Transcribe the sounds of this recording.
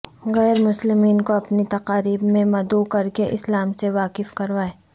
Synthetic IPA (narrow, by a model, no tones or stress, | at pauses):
ɣɛːɾmʊslɪmiːnkoɐpnit̪ɐqaːɾiːbmẽmɐd̪uːkɐɾkeʔɪslaːmseʋaːqɪfkɐɾʋaːeː